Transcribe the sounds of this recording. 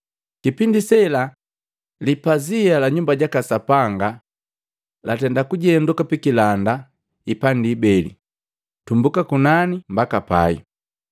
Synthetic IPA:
kipindisɛla | lipazialaɲumbaɟakasapaŋɡa | latɛndakuɟɛndukapikilanda | ipandiːbɛlḭ | tumbukakunanimbakapa̰ḭ

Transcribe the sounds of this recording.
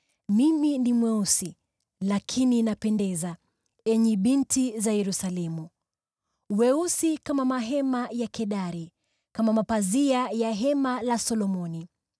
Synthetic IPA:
miminimwɛusi | lakʰininapɛndɛza | ɛɲɛɓintizajɛɾusalɛmu | wɛusikamamaɦɛmajakɛɗaɾi | kamamapaziajaɦɛmalasɔlɔmɔni

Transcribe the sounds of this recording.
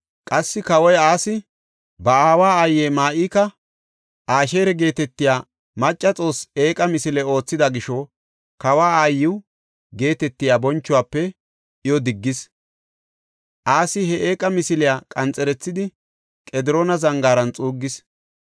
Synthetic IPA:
kʼɐsːɪkɐwɔjaːsɪ | bɐaːwaːaːjːeːmaːʔiːkɐ | ʔaːʃe̞ːɾɛɡe̞ːt̪ɛt̪ːɪjaː | mɐt͡ʃʼːɐt͡sʼo̞ːseːkʼɐmɪsɪlɛo̞ːt͡sːɪd̪ɐɡɪʃɔ | kɐwaːaːjːɪw | ɡe̞ːt̪ɛt̪ːɪjaːbɔnt͡ʃːʊwaːpːɛ | ʔɪjɔd̪ɪɡːɪs | ʔaːsɪhɛʔeːkʼɐmɪsɪlɪjaːkʼɐnt͡sʼɛɾɛt͡sːɪd̪ɪ | kʼɛd̪ɪɾoːnɐzɐŋɡaːɾɐnt͡sʼuːɡːɪs

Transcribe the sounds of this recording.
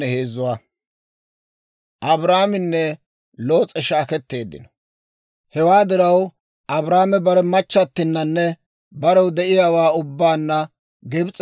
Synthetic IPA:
ɛheːzʊwa | ʔɐbɾaːmɪnːɛ | lo̞ːt͡sʼɛʃaːkɛt̪ːe̞ːd̪ːɪ̰nɔ̥ | hɛwaːd̪ɪɾɐw | ʔɐbɾaːmɛbɐɾɛmɐt͡ʃːɐt̪ːɪnːɐnːɛ | bɐɾɛwd̪ɛʔɪjaːwaːʊbːaːnːɐ | ɡɛbt͡sʼ

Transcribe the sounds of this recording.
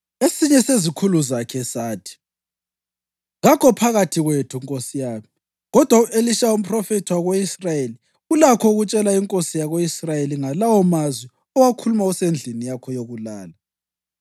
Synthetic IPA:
esiɲɛsezikʰuluzakʰɛsaːtʰi̥ | ɣakʰɔpʰaɣatʰiɣwetʰuiŋkʼosijaːmi | ɣɔd̥ʱwauʔeliʃaum̩pʰʼrɔfɛtʰiwaɣeisrajeli | ulakʰɔuɣut͡ʃʼɛlaiŋkʼosijaɣoisrajeliŋalawɔmazwi | ɔwakʰulumausend͡ɮʱinijakʰɔjoɣulaːla

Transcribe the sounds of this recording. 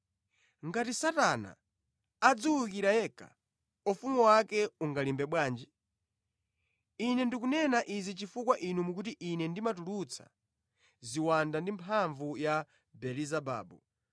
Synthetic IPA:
ŋɡatisatana̰ | ad͡zuwukiɾajɛka̰ | ufumuwakɛuŋɡalimbɛɓwaːnd͡ʒi | inɛndikunɛnaʔizit͡ʃifukwaʔinumukutiʔinɛndimatulut͡sʰḁ̰ | ziwandandimpʰaɱvuja | bɛlizaba̰ːbu

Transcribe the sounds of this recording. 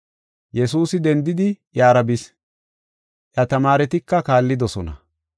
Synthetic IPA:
jɛsuːsɪd̪ɛnd̪ɪd̪ɪjaːɾɐbɪs | ʔjɐt̪ɐmaːɾɛt̪ɪkːɐkaːlːɪd̪ɔsɔnɐ̰

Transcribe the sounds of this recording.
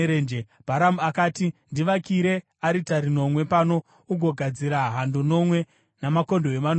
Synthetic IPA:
ɾeːnd͡ʒe | b̥ʱaɾamuakaːtindiʋakiɾe̞ | aɾitaɾino̞mwe̞pano̞ | uɡʱo̞ɡʱad͡ziɾaɦandono̞mwe̞ | namako̞ndoɦeʋan

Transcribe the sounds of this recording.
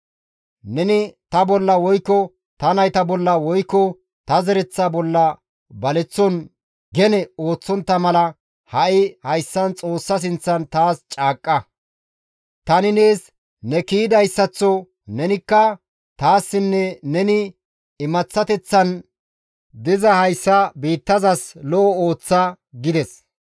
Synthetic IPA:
nɛnɪt̪ɐbɔlːɐwɔjkːɔ | t̪ɐnɐjt̪ɐbɔlːɐwɔjkːɔ | t̪ɐzɛɾɛt͡sːabɔlːɐ | bɐlɛt͡sːɔn | ɡɛnɛo̞ːt͡sːɔnt̪ːɐmɐlɐ | hɐʔɪhɐjsːɐnt͡sʼo̞ːsːɐs̬ɪnt͡sːɐnt̪aːst͡ʃʼaːkʼːɐ | t̪ɐnɪne̞ːs | nɛkiːd̪ɐjsːɐt͡sːɔ | nɛnɪkːɐ | t̪aːsːɪnːɛnɛnɪ | ɪmɐt͡sːɐt̪ɛt͡sːɐn | d̪ɪzɐhɐjsːɐbiːt̪ːɐzɐslɔʔɔo̞ːt͡sːɐ | ɡɪd̪ɛs

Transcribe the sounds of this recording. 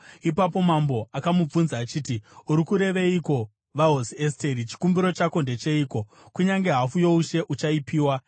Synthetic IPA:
ipap̬o̞mambo̞akamub͡vunzaːt͡ʃiːtiuɾikuɾe̞ʋe̞iko̞ | ʋaɦosieste̞ɾit͡ʃi̥kumbiɾo̞t͡ʃako̞nde̞t͡ʃe̞iːko̞ | kuɲaŋɡe̞ɦafujo̞uʃe̞ʔut͡ʃaipiːwa

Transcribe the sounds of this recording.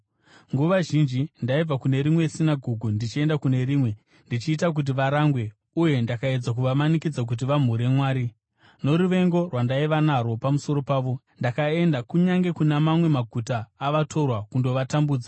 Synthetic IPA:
ŋɡuʋaʒind͡ʒindaib͡vakune̞ɾimwe̞sinaɡʱuɡʱundit͡ʃie̞ndakune̞ɾiːmwe̞ | ndit͡ʃiːtak̬ut̬iʋaɾaŋɡwe̞ | uje̞ndakae̞d͡zak̬uʋamanikid͡zak̬ut̬iʋam̤uɾe̞mwaːɾi | no̞ɾuʋe̞ŋɡo̞rwandaiʋanarwo̞pamuso̞ɾo̞paːʋo̞ | ndakae̞ndakuɲaŋɡe̞kunamamwe̞maɡʱutaːʋatʰo̞rwakundo̞ʋatambuːd͡za

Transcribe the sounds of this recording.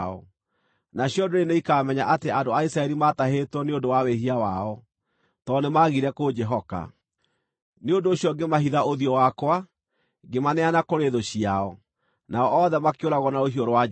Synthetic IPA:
ɔ̰ | naɕjɔdoɾeneikaːmɛɲaʔateandoaisɾaɛɾimataɦetwɔneondowaweɦiawaɔ | tɔnemaɣiɾɛkod͡ʒɛɦɔka̰ | neondoːɕjɔɡemahiðaoðiɔwakwa | ɡemanɛanakoɾeðoɕiaɔ | naɔʔɔðɛmakeoɾaɣɔnaoɦiɔɾwa

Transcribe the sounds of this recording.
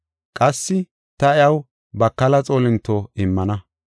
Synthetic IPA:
kʼɐsːɪ | t̪ɐɪjɐw | bɐkːɐlɐt͡sʼoːlɪnt̪ːoɪmːɐnɐ

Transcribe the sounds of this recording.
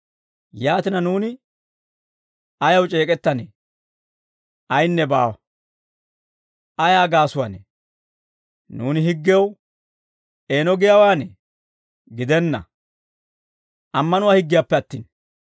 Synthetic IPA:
jaːt̪ɪnɐnuːnɪ | ɐjɐwt͡ʃʼe̞ːkʼɛt̪ːɐneː | ɐjnːɛbaːwɐ | ʔɐjaːɡaːsʊwanḛ | nuːnɪɦɪɡːɪjɐw | ʔeːnɔɡɪjawaːne | ɡɪd̪ɛnːɐ̰ | ʔɐmːɐnʊwaːhɪɡːɪjapːɛɐt̪ːḭːn

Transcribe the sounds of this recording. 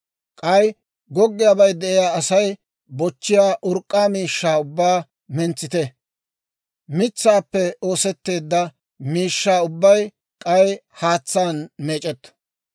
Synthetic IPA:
kʼɐj | ɡɔɡːɪjaːbɐjd̪ɛʔɪjaːɐsɐj | bɔt͡ʃːɪjaːʔʊɾkʼːaːmiːʃːaːʊbːaː | mɛnt͡sːɪt̪ɛ | mɪt͡sːaːpːɛo̞ːsɛt̪ːe̞ːd̪ːɐ | miːʃːaːʊbːɐj | kʼɐjhaːt͡sːaːnmeːt͡ʃʼɛt̪ː

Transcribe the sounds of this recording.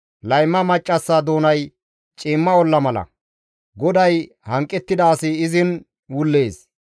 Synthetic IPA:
lɐjmːɐmɐt͡ʃʼːɐsːaːd̪o̞ːnɐj | t͡ʃʼɪːmːɐɔlːɐmɐlɐ̰ | ɡɔd̪ɐj | hɐŋkʼːɛt̪ːɪd̪ɐːsɪɪzɪn | wʊlːe̞ːs

